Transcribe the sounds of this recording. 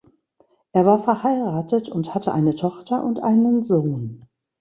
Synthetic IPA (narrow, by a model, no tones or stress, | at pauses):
ʔeːɐvaːɐfɛɐhaɪʁaːtətʰʊnthatʰəʔaɪnətʰɔχtʰɐʔʊntʔa̰ɪnənzoːn